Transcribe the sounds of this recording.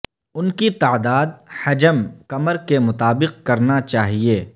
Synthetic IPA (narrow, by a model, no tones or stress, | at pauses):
ʊnkit̪aːd̪aːd̪̚hɐd͡ʒəmkɐməɾkemʊt̪aːbɪq̚kɐɾnat͡ʃaːɦieː